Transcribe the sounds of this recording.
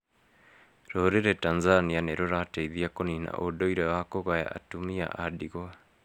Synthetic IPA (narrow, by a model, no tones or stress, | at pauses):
ɾooɾeɾetanzanianeɾoɾateiðiakonina̰ʔodoiɾewakoɣaja̰a̰tumia̰ʔadiɣo